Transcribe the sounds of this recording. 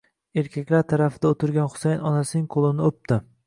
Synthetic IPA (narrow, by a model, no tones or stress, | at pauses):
e̞ɾkʲakʲlaɾt̪ʰaɾafɪd̪aot̪ʰɪɾɡʲanχʊ̥sajnɒnasɪnɪŋqʰolˠɪnɪop̚t̪ɪ